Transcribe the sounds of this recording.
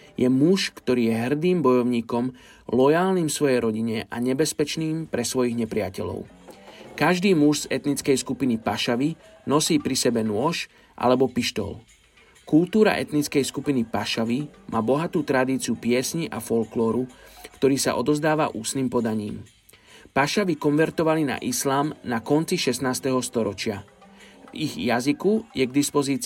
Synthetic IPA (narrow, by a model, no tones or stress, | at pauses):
jɛmuʃkt̪ɔɾiːjɛɦr̩d̪iːmbɔjɔʊɲiːkɔm | lɔjaːlniːmsʋɔjɛjɾɔɟiɲɛʔaɲɛbɛspɛt͡ʃniːmpɾɛsʋɔjiɣɲɛpɾɪacɛʎɔ̰ʊ | kaʒd̪iːmuʃz̥ɛt̪nit͡skɛjskupinipaʃaʋi | nɔsiːpɾisɛbɛnʊɔʃ | ʔa̰lɛbɔpiʃt̪ɔ̰l | kult̪uːɾa̰ʔɛt̪nit͡skɛjskupinipaʃaʋimʔaːbɔɦat̪uːt̪ɾad̪iːt͡siupɪɛsɲiʔafɔlklɔːɾukt̪ɔɾiːsa̰ʔɔd̪ɔzd̪aːʋaʔuːsniːmpɔd̪aɲḭːm | paʃaʋikɔnʋɛɾt̪ɔʋalina̰ʔislaːmnakɔnt͡siʃɛsnaːst̪ɛɦɔst̪ɔɾɔt͡ʃɪa | viɣjazikujɛɡd̪ispɔziːt͡s